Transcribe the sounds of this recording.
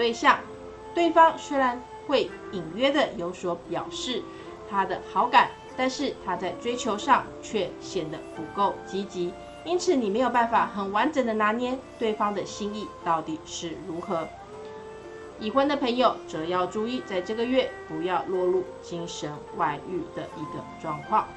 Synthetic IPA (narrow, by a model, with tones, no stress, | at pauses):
t̪we˥˧ɪɕjɑ˥˩ŋ | t̪we˥˩ɪfɑ˥ŋswe˥ɪɻa˧˥n | xwe˥˩ɪ | i˨˩ŋɥɛ˥d̪ə˨jo˧˥ʊswɔ˧˥pjɑ˨˩ʊʂɻ̩˥˩ | t̪ʰa˥d̪ə˨xɑ˧˥ʊka˨˩˦n | t̪a˥˧nʂɻ̩˥˩t̪ʰa˥t͡sa˥˩ɪʈ͡ʂwe˥ɪt͡ɕʰjo˧˥ʊʂɑ˥˨ŋt͡ɕʰɥɛ˥˩ɕjɛ˨˩nd̪ə˦pu˧˥ko˥˩ʊt͡ɕi˧˥t͡ɕi˧˥ | i˥nt͡sʰɹ̩˨˩˦ni˨˩me˧˥ɪjo˨˩ʊpa˥˩nfa˨˩xə˨˩nwa˧˥nʈ͡ʂə˨˥nd̪ə˧na˧˥njɛ˥nt̪we˥˩ɪfɑ˥ŋd̪ə˨ɕi˥˧ŋi˥˨t̪ɑ˥˩ʊt̪i˨˩ʂɻ̩˥˩ɻu˧˥xɤ˧˥˦ | i˨˩xwə˥nd̪ə˨pʰə˧˥ŋjo˨˩ʊʈ͡ʂɤ˨˩jɑ˥˧ʊʈ͡ʂu˥˧i˥˧t͡sa˥˧ɪʈ͡ʂɤ˥˩ɡə˨ɥɛ˥˩pu˧˥jɑ˥˧ʊlwɔ˥˧lu˥˩t͡ɕi˥ŋʂə˧˥nwa˧˥ɪy̰˥˩d̪ə˩ʔi˧˥ɡə˧ʈ͡ʂwɑ˥˧ŋkʰwɑ˥˩ŋ